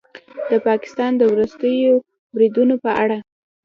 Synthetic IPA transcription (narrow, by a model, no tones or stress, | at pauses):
d̪əpɑkɪ̥st̪ɑnd̪əwɾust̪əjo | bɾid̪unopəʔaɽa